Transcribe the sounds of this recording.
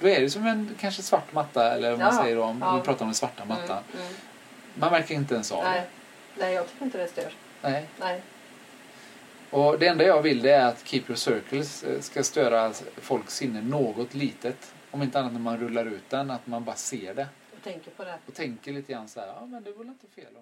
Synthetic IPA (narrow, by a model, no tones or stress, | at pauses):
d̪̥ɔɛɖɛsɔmːɛnkʰanʂəsvaʈːmat̪ːaɛ̰lːəɾɔmmasɛjːəɖɔmɪpʰɾɑːt̪aɾɔmd̪ɛnsvaʈːamat̪ːan | manvæɾkəɾɪnt̪̬əɛnsɔ̰ | nɛjɑːɡt̪ʰʏ̥kːɾɪnt̪ədɛst̪øɾ | nɛɪ | ɔd̪ɛɛnd̪ajɑːvɪld̪ɛɾat̪kʰiːpɾɔsœɾkəlsːkast̪øːɾat̪fɔlksɪnːəɳoːɡɔt̪liːt̪ət̪ | ɔmɪnt̪əanːat̪næɾmanɾɵlːaɾʉ̟ːt̪̚d̪ɛnːat̪manbɑːɾaseːɖɛ | t̪ʰɛŋkəpʰɔd̪ɛɔt̪ʰɛŋkəɭiːt̪əɡɾanːsahæ̰ːɾɑːmɛnd̪ɛɾvɛlɪnt̪ːəfeːlm